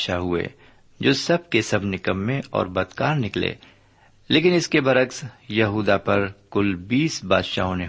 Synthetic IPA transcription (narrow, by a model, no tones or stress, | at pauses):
ʃaɦʊḛː | d͡ʒoːsɐb̚kesɐbnɪkəmːẽɔ̰ːɾbɐd̪kaːɾnɪklḛː | leːkɪnɪskebɐɾəksjɐɦuːd̪apɐɾkʊlbiːsba̰ːd̪ʃaːɦõnẽ